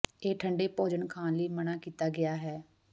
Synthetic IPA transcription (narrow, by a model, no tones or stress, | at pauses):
eːʈʰəɳɖeːpoːd͡ʒənkʰãːnliːmənaːkiːt̪aːɡɪaːɦɛː